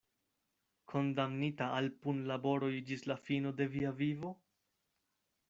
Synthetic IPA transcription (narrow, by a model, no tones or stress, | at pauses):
kʰo̞ndamnitaalpunlabo̞ɾo̞jd͡ʒislafino̞de̞viavivo̞